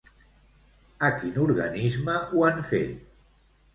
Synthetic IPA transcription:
əkinuɾɣa̰nizməuanfḛt̪

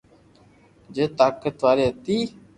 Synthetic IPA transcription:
d͡ʒeːt̪aːkət̪ʋaːɾeːɦət̪iː

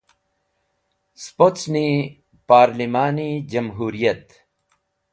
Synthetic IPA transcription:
spotsni | paːɾlimaːnid͡ʑɐmɦuːɾijɐt̪

